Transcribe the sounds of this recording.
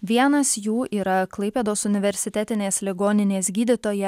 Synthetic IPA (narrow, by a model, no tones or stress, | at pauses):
ʋʲiɛnɐsjuːʔiːɾɐklˠɐɪpʲeːd̪oːsʊnʲɪʋʲɛɾʲsʲɪt̪ʲæt̪ʲɪnʲeːslʲɪɡoːnʲɪnʲeːsɡʲiːd̪ʲɪt̪oːjɛ